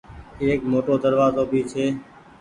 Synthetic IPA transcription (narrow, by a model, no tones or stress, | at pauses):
eːkmoːʈoːd̪əɾʋaːzoːbʱiːt͡ʃʰeː